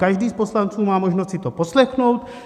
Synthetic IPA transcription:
kaʒdiːspo̞slant͡suːmaːmo̞ʒnost̪t͡ssɪt̪opo̞slɛxno̞wt̪

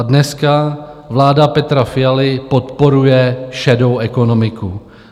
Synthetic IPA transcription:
dnɛskavlaːdapɛt̪ɾafɪjalɪpot̪po̞ɾujɛʃɛdo̞wʔɛkonomɪku

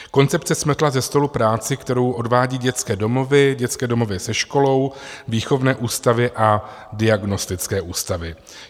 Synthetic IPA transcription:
ko̞nt͡sɛp̚t͡sɛsm̩t̪lazɛst̪o̞lupɾaːt͡sɪkt̪ɛɾo̞wʔo̞dvaːɟiːɟɛt͡skɛːdo̞mo̞vɪɟɛt͡skɛːdo̞mo̞vɪsɛʃko̞lo̞wviːxo̞vnɛːʔuːst̪avɪʔa | dɪaɡno̞st̪ɪt͡skɛːʔuːst̪avɪ

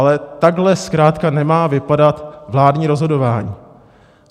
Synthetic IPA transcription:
lɛt̪aɡɦlɛskɾaːt̪kanɛmaːvɪpadat̪vlaːdɲiːɾo̞zɦo̞do̞vaːɲḭː

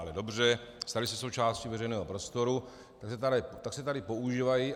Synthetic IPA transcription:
alɛdo̞br̝ɛst̪aɾɪsɛso̞wt͡ʃaːscivɛrɛjnɛːɦopɾo̞st̪o̞ɾu | t̪aksɛt̪alɛt̪aksɛt̪adɪpo̞uʒiːvaji

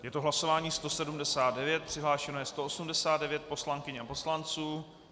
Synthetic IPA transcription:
jɛt̪oɦlaso̞vaːɲiːst̪o̞sɛdumdɛsaːd̪̚dɛvjɛt̪̚pr̥ɪɦlaːʃɛnojɛst̪o̞ʔosumdɛsaːd̪dɛvjɛt̪̚po̞slaŋkɪɲapo̞slant͡suː

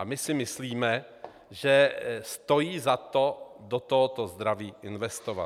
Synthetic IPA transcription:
amɪsɪmɪsliːmɛ | ʒɛst̪o̞jiːzat̪o̞dot̪oɦot̪ozd̪ɾaviːʔɪnvɛst̪ova̰

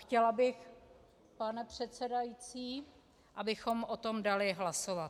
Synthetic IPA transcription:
xcɛlabɪx | panɛpr̝̥ɛt̪sɛdajit͡siː | ʔabɪxomʔot̪omdalɪɦlasovat̪

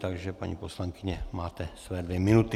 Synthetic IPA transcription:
t̪aɡʒɛpa̰ɲḭːposlaŋkɪɲɛmaːt̪ɛsvɛːdvjɛmɪnut̪ɪ

